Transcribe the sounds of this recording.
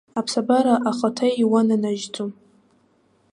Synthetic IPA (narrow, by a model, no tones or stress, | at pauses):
apʰsabaɾaʔaχatʰajiwananaʒd͡zʼum